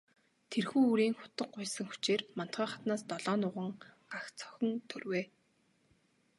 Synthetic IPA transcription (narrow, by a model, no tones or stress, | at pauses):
t̪ʰerxuːuɾiːŋxʊ̥t̪ə̆qːʊjsə̆ŋxu̥t͡ɕeːrman̥t̪ɢiːχat̪naːst̪ɔɮɔːnʊʁə̆ŋ | axt͡sœ̥xʲɞ̆nt̪ʰɵrweː